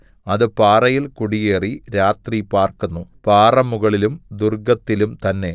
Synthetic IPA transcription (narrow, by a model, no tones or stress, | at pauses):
ɐðɨpaːrɐjilkuɽijeːriɾaːt̪ripaːrkunːupaːrɐmːuɣɐɭilumd̪urɡɐt̪ːilumt̪ɐnːe̞